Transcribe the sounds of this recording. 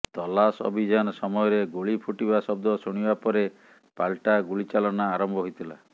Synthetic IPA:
t̪ɔlasɔ̰bʱid͡ʒanɔsɔmɔjɔɾeɡuɭipʰuʈibasɔb̚d̪ɔsuɽ̃ibapɔɾe | palʈaɡuɭit͡ʃalɔnaːɾɔmbʱɔɦojt̪ʰila̰

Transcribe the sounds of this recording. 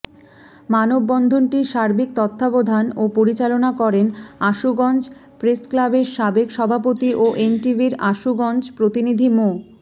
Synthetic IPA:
manobːɔnd̪ʱonʈiʃaɾbik̚t̪ɔt̪ʰːabod̪ʱanopoɾit͡ɕalonakɔɾenaʃuɡɔnd͡ʑ | pɾesklabeɾʃabekʃɔbʱapot̪iʔoʔenʈiviɾaʃuɡɔnd͡ʑpɾot̪inid̪ʱimo

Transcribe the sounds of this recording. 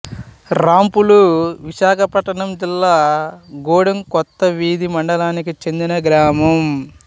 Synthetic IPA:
ɾaːmpuluʋiʃaːkʰɐpɐʈːɐɳɐmd͡ʒilːaːɡɔːɽɐmkɔt̪ːɐʋiːd̪imɐɳɖɐlaːnikit͡ʃe̞nd̪inɐɡɾaːmɐm

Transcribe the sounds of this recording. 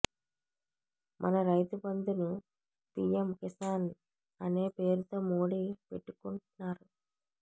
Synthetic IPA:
mʔɐ̰nɐɾɐjt̪ubɐnd̪unu | siemkisaːn | ɐne̞ːpe̞ːɾut̪o̞ːmoːɽipeʈːu̥kuɳʈunːaːɾu

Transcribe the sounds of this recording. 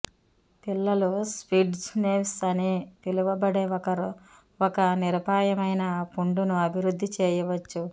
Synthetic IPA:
pilːɐluspiːɖsneːpsɐnit̪iluʋɐbɐɽeɐ | ɔkɐniɾɐbʱaːjɐmɐjnɐpuɳɖunuɐbʱiɾud̪ʱːit͡ʃɛːjɐʋɐt͡ʃːu

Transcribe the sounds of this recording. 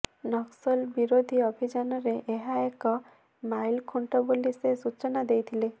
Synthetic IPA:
nɔksɔlbiɾod̪ʱiɔbʱid͡ʒɔnɔɾeʔeɦaekɔ | majlkʰuɳʈɔbolisesut͡ʃɔnad̪ejt̪ʰile

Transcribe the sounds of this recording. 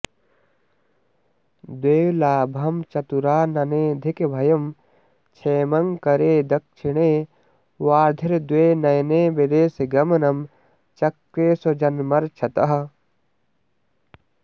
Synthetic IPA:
d̪weːwlaːbʱɐmt͡ʃɐt̪uɾaːnɐneːd̪ʱikebʱɐjɐm | t͡ʃʰeːmɐŋkɐɾeːd̪ɐk̚t͡ʃʰiɽeː | waːd̪ʱiɾd̪weːnɐjneːbid̪eːseɡɐmɐnɐm | t͡ʃɐkɾeːsod͡ʒɐnmɐɾt͡ʃʰɐt̪ɐɦɐ

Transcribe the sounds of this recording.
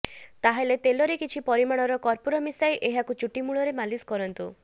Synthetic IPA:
t̪aɦelet̪elɔɾekit͡ʃʰipɔɾimaɽ̃ɔɾɔkɔɾpoɾɔmisajʔeɦakut͡ʃuʈimuɭɔɾemaliskɔɾɔnt̪u

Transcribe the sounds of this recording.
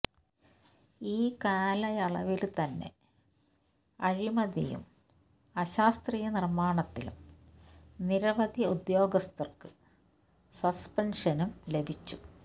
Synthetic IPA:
iːkaːlɐjɐɭɐ̰ʋilt̪ɐnːe̞̰ | ɐɻimɐðḭjṵm | ɐɕaːst̪rijɐnirmaːɳɐt̪ːilṵm | niɾɐʋɐd̪iud̪jo̞ːɡɐst̪ɐrkɨ | sɐspɐnʂɐnumle̞bʱit͡ɕːu̥

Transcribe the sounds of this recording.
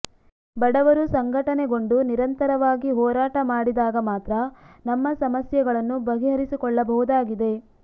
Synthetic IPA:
bɐɽɐʋɐɾusɐŋɡʱɐʈɐneɡo̞ɳɖuniɾɐnt̪ɐɾɐʋaːɡiɦɔːɾaːʈɐmaːɽid̪aːɡɐmaːt̪ɾɐnɐmːɐsɐmɐsjɐɡɐɭɐnːubɐɦiɦɐɾisikɔɭːɐbɐɦud̪aːɡid̪e̞

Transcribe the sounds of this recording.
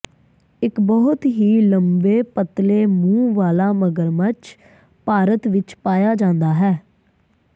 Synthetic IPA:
ɪkbɔːt̪ɦiːləmbeːpət̪leːmũːʋaːlaːməɡəɾmət͡ʃ | paːɾət̪ʋɪt͡ʃpaːjaːd͡ʒãːnd̪aːɦɛː

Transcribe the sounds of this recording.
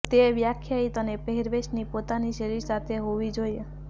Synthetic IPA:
t̪eʋjakʰjait̪ɔnepeɦiɾbeʃnipot̪aniʃəɾiɾsat̪ʰeɦoʋid͡ʒoie

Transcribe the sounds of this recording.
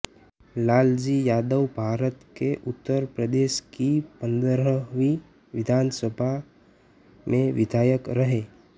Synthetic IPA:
laːld͡ʒijaːd̪əwbʱaːɾət̪keʔʊt̪ːəɾpɾəd̪eːʃkipə̃nd̪əɾəʋi | ʋɪd̪ʱaːnsəbʱa | mẽʋɪd̪ʱaːjəkɾəɦeː

